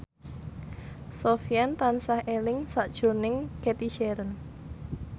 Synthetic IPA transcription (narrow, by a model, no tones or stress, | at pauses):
sofiant̪ansahelɪŋsaʔd̥ʒ̥o̤nɪŋket̪iʃɛɾən